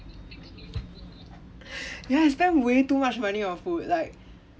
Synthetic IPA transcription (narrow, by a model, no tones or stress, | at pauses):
jais̬tɛ̃nwetumat͡ʃmãniɔfut̚laɪk̚